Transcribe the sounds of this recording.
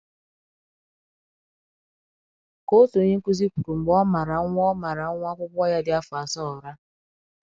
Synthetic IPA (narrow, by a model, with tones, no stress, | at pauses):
ko˦to˨˦ɲe˦ŋ̩˦ku˦zi˦ku˨ɾu˨ŋ͡m̩˨ɡ͡bɔ˦ma˨ɾa˨˦ŋʷɔ˦ma˨ɾa˨˦ŋʷ˦a˦kʷʊ˦kʷɔ˦ja˦dɪ˨a˦fʊ˨a˨sɔ˦˨ɾa˦